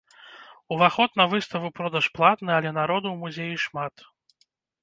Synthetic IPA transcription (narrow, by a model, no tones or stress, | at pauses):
uvaxɔt̪nɐvɨst̪ɐvɨpɾɔd̪ɐʂplˠat̪nɨɐlʲɛnaɾɔd̪uwmuzʲejiʂmat̪